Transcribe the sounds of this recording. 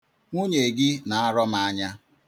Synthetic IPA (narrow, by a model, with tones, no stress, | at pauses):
ŋʷu˦ɲe˨ɡɪ˦na˨a˦ɾɔ˦m˦a˨˦ɲa˦